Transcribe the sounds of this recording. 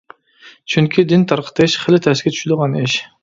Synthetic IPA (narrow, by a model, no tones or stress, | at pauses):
t͡ʃʰyŋkʲʰid̪ɪnt̪ʰɑɾqʰə̥t̪ʰɨʃχəlɪt̪ʰɛsɪɡʲɛt͡ʃ̪ʰy̥ʃyd̪əʁɑniʃ